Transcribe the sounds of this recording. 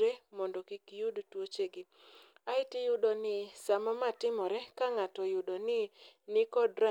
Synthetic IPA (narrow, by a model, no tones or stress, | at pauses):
ɾemɔndɔkikijudtwot͡ʃeɡɪ | aɪtɪjʊɗɔnɪsamamatɪmɔɾɛkaŋatɔjʊɗɔnɪnɪkɔdɾa